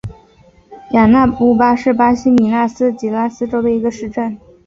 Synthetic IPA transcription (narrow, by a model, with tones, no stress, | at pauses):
ja˨˩na˥˩pu˥˩pa˥ʂɻ̩˥˩pa˥ɕi˧˥mi˨˩na˥˩sɹ̩˥t͡ɕi˨˩la˥˩sɹ̩˥ʈ͡ʂo˥d̪ə˨i˧˥ɡə˧ʂɻ̩˥˧ʈ͡ʂə˥˩n